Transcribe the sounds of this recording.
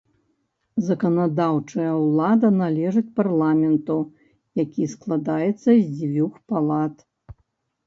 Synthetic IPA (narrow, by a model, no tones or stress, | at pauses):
zɐkɐnad̪awt͡ʂɐjɐwlˠad̪ɐnalʲɛʐɨt͡sʲparlˠamʲɛnt̪u | jakʲisklˠad̪ajɛt̪sːɐzʲd͡zʲvʲuxpalˠat̪